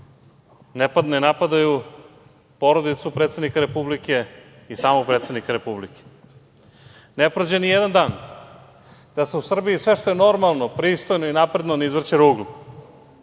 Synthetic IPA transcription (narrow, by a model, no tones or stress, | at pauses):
nepad̪noinapad̪aju | po̞ɾod̪it̪supɾet̪e̞d̪nikaɾe̞publike̞ | isaːmok̚pɾet̪sed̪nikaɾe̞publike̥ | nepɾod͡ʑenijɛd̪and̪aːn | d̪̥aseusr̩biisʋe̞ʃt̪ojeno̞ɾmalˠno̞pɾist̪o̞jnoinapɾed̪nonizʋr̩t͡ɕeɾuːɡlu